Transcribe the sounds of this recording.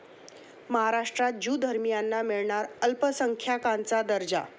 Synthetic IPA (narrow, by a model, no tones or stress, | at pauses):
məɦaɾaʂʈɾat̪̚d͡ʑud̪ʱəɾmijanːamiɭɳaɾəlpəsəŋkʰjakãnt͡sad̪əɾd͡ʑa̰